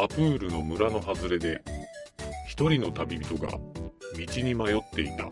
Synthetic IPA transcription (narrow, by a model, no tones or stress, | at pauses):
apɯ̟ːɾɯ̟no̞mɯ̟ɾano̞ɦazɨɾe̞d̪e̞ | çi̥t̪o̞ɾʲino̞t̪abʲibʲit̪o̞ɡa̰mʲit͡ɕiɲ̟imajo̞t̪ːe̞it̪a̰